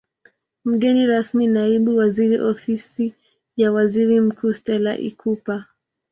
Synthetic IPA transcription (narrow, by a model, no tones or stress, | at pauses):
m̩ɠɛniɾasminaiɓuwaziɾiʔɔfisi | jawaziɾim̩kʰuːstɛla̰ʔḭkʰupa